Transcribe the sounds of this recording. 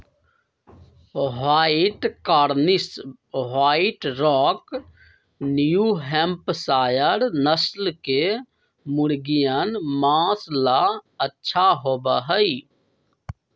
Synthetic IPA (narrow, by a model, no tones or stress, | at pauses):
waːiʈkaːɾnɪs | waːiʈɾɔːk | njuɦɛmpsaːjəɾnəslke | mʊɽɡijənmãːslaətːʃʰaɦoːbaɦəi